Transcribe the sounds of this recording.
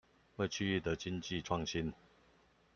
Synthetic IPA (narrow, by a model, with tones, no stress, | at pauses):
we˥˨ɪt͡ɕʰy˥˧y˥˩t̪ə˨˦t͡ɕi˦nt͡ɕi˥˨ʈ͡ʂʰwɑ˥˨ŋɕi˦˥n